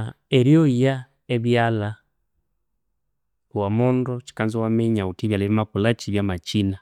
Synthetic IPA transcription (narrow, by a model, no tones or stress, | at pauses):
ɛɾjɔija | ɛβjala | wamɔndɔt͡ʃi̥kanzɔwamɛɲautiβjalɛβimakulat͡ʃiβjamat͡ʃina